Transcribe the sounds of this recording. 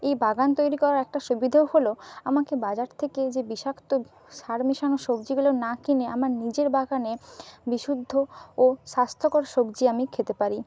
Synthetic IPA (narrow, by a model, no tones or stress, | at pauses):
ejbaɡant̪ojɾikɔɾaɾɛk̚ʈaʃubid̪ʱaoholoamakebad͡ʑaɾt̪ʰeked͡ʑebiʃakt̪o | ʃaɾmiʃaŋoʃobd͡ʑiɡulonakineamaɾnid͡ʑeɾbaɡanebiʃud̪ʱːooʃast̪ʰokoɾʃobd͡ʑiamikʰet̪epaɾi